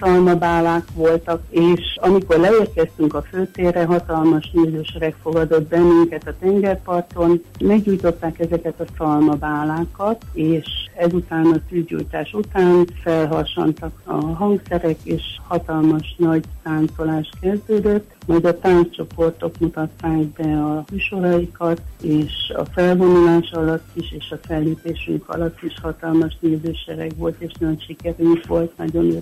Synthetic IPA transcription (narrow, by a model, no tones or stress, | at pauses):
sɒlmɒbaːlaːkʋo̞lt̪ɒkeːʃɒmiko̞rlɛeːrkɛst̪yŋkɒføːt̪eːrɛɦɒt̪ɒlmɒʃnyɟøʃɛɾɛkfo̞ɡɒd̪o̞t̪bɛnːyŋkɛt̪ɒt̪ɛŋɡɛrpɒrt̪o̞nmɛɡɟuːjt̪o̞t̪ːaːkɛzɛkɛt̪ɒsɒlmɒbaːlaːkɒt̪eːʃɛzut̪aːnɒt̪yzɟṵːjt̪aːʃut̪aːnfɛlɦɒrʃo̰nt̪ɒkɒ̰ɦɒŋksɛɾɛkeːʃhɒt̪ɒlmɒʃnɒɟt̪aːnt̪o̞laːʃt̪kɛzd̪øːd̪øt̪ːmɒjd̪ɒt̪aːnst͡ʃo̞po̞rt̪o̞kmut̪ɒt̪ːaːɡbɛɒmyːʃo̞ɾɒikɒt̪eːʃɒ̰fɛlvo̞nulaːʃɒlɒt̪ːiʃeːʃɒfɛlːeːpeːʃy̰ŋkɒ̰lɒt̪ːiʃhɒt̪ɒlmɒʃneːzøːʃɛɾɛ̰kʋo̞lt̪eːʃnnʃikɛɾyŋkʋo̞lt̪nɒ̰ɟo̞ne